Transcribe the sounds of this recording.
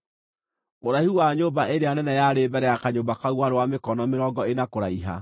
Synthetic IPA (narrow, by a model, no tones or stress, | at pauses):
oɾahuwaɲoːbaʔeɾeanɛnɛjaɾebɛɾɛjakaɲoːbakauwaɾowamekɔnɔmeɾɔɡɔenakoɾaiɦa̰